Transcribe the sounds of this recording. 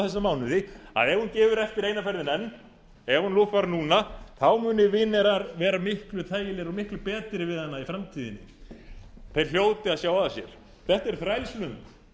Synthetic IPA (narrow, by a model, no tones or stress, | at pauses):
θɛsːamaːwnʏðɪa̰ðɛvhuncɛːvʏɾɛft̪ɪɾeːjnafɛɾðɪnɛnː | ɛvhunluvaɾnuːnaθawmʏːnɪvɪnːɛɾaɾvɛːɾamɪhklʏt̪ʰaːjɪlɪɾɔɣmɪhklʏpɛːt̪ɾɪvɪððhanːaifɾamt̪ʰiːðɪnːɪ̰ | θejɾl̥joːwt̪ɪaðsjaːwaðasjɛɾ̥ | θɛht̪ɛɾ̥θɾajlslʏmt̪